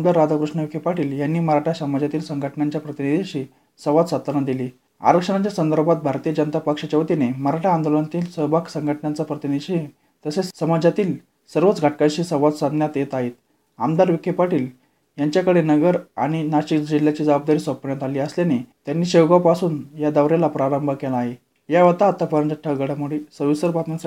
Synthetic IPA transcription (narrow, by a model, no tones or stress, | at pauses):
md̪aɾːad̪ʱakɾuʂɳəʋikʰepaʈiːljanːiːməɾaʈʰasəmad͡ʑʱat̪iːlsəŋɡʱəʈɳaɲt͡ɕjapɾət̪inid̪ʱiɕiː | səʋat̪sad̪nad̪iliː | a̰ɾəkʂəɳat͡ɕjasənd̪əɾbʱat̪̚bʱaɾt̪iːjəd͡ʑənət̪apəkʂət͡ɕəʋt̪ineməɾaʈʰaːnd̪olənat̪iːlsəbʱaksəŋɡʱəʈɳat͡sapɾət̪inid̪ʱɕi | t̪əsesəməd͡ʑat̪iːl | səɾʋət͡sɡʱaʈ̚kaɕiːsəɾʋat͡s̪sad̪ʱnjat̪jet̪aɦet̪ | amd̪aɾʋikepaʈiːl | jaɲt͡ɕjakəɽenəɡəɾa̰ɽ̃inaɕikd͡ʑiljat͡ɕiːd͡zəbab̚d̪aɾiːsʋəpəɳjat̪aliːəslanet̪janːiːɕewɡapasuːnjad̪əʋɾelapɾaɾəmbʱakelaːɦe | jaʋət̪aət̪ːapəɾənt̪əʈʰːəɡəɽəmuɽiːsəʋisəɾbat̪uns